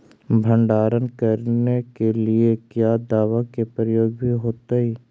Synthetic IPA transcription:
bʱə̃ɳɖaːɾənkɐɾnekeliekjaːd̪aːʋakepɾəjoːɡ̚bʱiɦoːt̪aiː

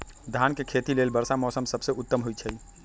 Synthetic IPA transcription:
d̪ʱankekʰet̪ilelbəɾsamɔsəmsəbseʔut̪ːəmɦujt͡ʃʰəi

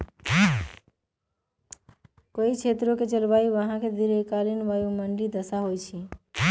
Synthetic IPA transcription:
koit͡ʃʰet̪ɾoket͡ʃəlbaiʋəɦãked̪iɾekalinʋəjuməɳlid̪əsaɦojt͡ʃʰi

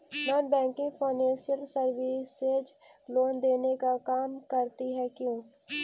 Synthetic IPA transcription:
naːnbɛ̃ːŋkɪ̃ŋɡfaːɪnɛ̃ːʃiəlsɐɾʋiːsːed͡ʒ | loːnd̪eːnekakaːmkɐɾt̪iɦɛkjũː

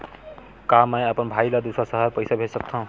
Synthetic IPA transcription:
kaməjəpənbʱailad̪usɾasəɦəɾpəɪsabʱesək̚t̪ʰaɦũ

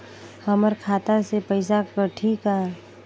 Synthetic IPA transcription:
həməɾkʰaːt̪asepəɪsakəʈʰika

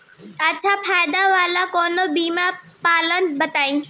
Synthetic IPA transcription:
ɐtːt͡ɕʰafʰaːjd̪aʋaːlakoːnobiːma | paːlənbɐt̪aːĩ

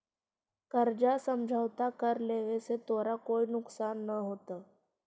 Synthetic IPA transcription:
kəɾd͡ʒasəmd͡ʒʱəʋt̪akəɾleʋeset̪oɾakoːinʊksanːəɦot̪a

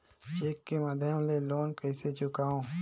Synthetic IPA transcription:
t͡ʃeːkːemaːd̪ʱjəmleloːnkɐiset͡ʃʊkaːõː

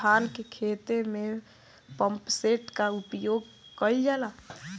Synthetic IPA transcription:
aːnkekʰeːt̪emẽ | pə̃mpseːʈkaʊpjoːɡ | kəid͡ʒala

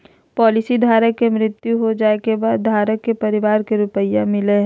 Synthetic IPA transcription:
pɔːlɪsid̪ʱaːɾəkːemɾɪt̪juɦod͡ʒaːekebaːd̪̚ːʱaːɾəkːepɐɾɪʋaːɾkeɾʊpəjamɪleɦɛ̃

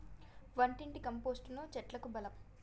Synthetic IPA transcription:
ʋɐɳʈiɳʈikɐmpoːsʈnuːt͡ʃɛʈlɐkubɐlɐm

